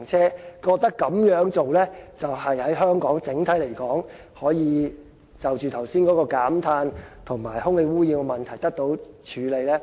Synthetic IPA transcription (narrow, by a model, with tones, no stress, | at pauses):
ŋt͡sʰɛː˥kɔː˧k̚t̪ɐ˥kːɐ˨˥mjœː˨˥ŋt͡so˨wlɛː˥t͡sɐ˨whɐ˨jhɐ˨˥jɦœː˥ŋkɔː˨˥ŋt͡sɪ˨˥ŋt̪ʰɐ˨˥jle˨˩jkɔː˨˥ŋ | hɔː˨˥jiː˨˧ | t͡sɐ˨wt͡ʃyː˨t̪ʰɐ˨˩wsiː˥nkɔː˨˥kɔː˧kaː˨˥mt̪ʰaː˧nt̪ʰʊ˨˩ŋmaː˨˩jhʊ˥ŋhe˨˧jwuː˥jiː˧wmɐ˨nt̪ʰɐ˨˩jt̪ɐ˥k̚t̪o˨˥wt͡ʃʰyː˨˧le˨˧jlɛː˥